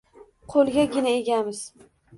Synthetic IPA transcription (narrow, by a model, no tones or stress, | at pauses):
qʰolˠɡʲaɡʲɪnaeɡʲamɪz̥